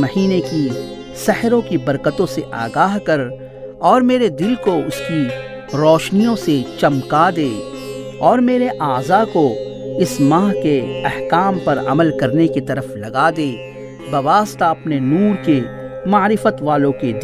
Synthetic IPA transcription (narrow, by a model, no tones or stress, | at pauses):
mɐɦiːneki | sɛhɾõkibɐɾkət̪õseʔa̰ːɡaːɦkɐɾ | ɔːɾmeːɾed̪ɪlkoʊski | ɾɔːʃnijõset͡ʃɐmkad̪eː | ɔːɾmeːɾeʔaːzako | ɪsmãːɦkeɛhkaːmpɐɾɐ̰məlkɐɾnekit̪ɐɾəflɐɡad̪eː | bɐʋaːst̪aɐpnenuːɾke | maːɾɪfət̪ʋaːlõked̪